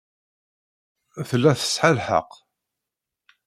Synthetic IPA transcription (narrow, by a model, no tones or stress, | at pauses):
θəlːæθə̥sħalħə̰q